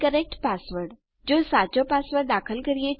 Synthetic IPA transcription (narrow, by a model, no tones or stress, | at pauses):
kəɾek̚ʈpasʋəɾʈ | d͡ʒosat͡ʃopaːsʋəɾʈd̪akʰəlkəɾie